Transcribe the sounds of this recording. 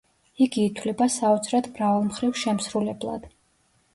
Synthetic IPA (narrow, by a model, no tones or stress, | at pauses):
iɡiːt̪ʰwlɛbasaut̪sʰɾɛt̪ʰmɾavalˠmχɾivʃɛmsɾulɛblˠa̰d̪̥